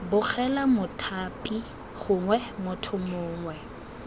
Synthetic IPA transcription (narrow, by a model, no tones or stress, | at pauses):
bʊk͡xɛlamʊtʰaːpʼi | χʊŋwɛmʊtʰʊmʊːŋwɛ